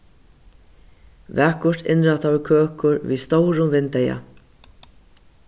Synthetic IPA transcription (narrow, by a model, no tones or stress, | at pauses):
væːkʊɹt̪ɪnɾat̪ʰawɪkʰøːkʊɾvḭst̪ɔwɾʊmvɪnt̪ɛja̰